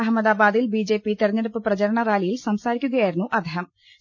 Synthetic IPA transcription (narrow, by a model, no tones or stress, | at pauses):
ɐɦɐmːɐd̪aːbaːd̪ilbiːd͡ʑe̞ːpit̪irɐɲːɐɽupːɨprɐt͡ɕɐɾɐɳɐɾjaːlijilsɐmsaːɾikʲːuɣɐjaːjiɾunːuʔɐd̪ʱeːɦɐm